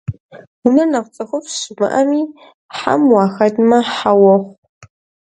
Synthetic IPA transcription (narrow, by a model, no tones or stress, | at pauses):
wʊnɐnɐqʷt͡sʼɐxʷʊfɕɪmɨ̰ʔɐmiː | ħa̰mwɑːxɐdmɐħawɔχʷ